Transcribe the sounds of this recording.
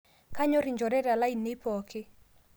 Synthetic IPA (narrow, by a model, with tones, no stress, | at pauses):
ka˦ɲɔ˦ɾi˨ɲd͡ʒɔ˨ɾɛ˦ɾa˨la˦i˨nɪ˦pɔ˨kʰɪ˦